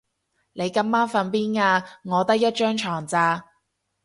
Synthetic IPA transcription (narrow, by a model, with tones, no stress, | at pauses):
ne˨˧jkɐ˥mmaː˥nfɐ˧npiː˥naː˧ŋɔː˨˧t̪ɐ˥k̚jɐ˥t̚t͡ʃœː˥ŋt͡ʃʰɔː˨˩ŋt͡saː˧